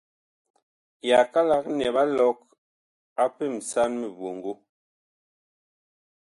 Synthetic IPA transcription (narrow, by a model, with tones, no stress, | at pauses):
ja˨ka˦la˦k̚nɛ˨ba˦lɔ˨˦k̚ | a˦pe˦˨m̩˨sa˦nme˨vo˨ŋ˨ɡo˦